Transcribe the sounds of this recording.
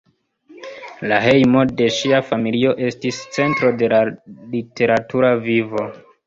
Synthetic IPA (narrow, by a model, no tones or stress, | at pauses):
laɦe̞jmo̞de̞ʃiafamilio̞ʔe̞stist͡se̞ntɾo̞de̞lalite̞ɾatʰuɾavivo̞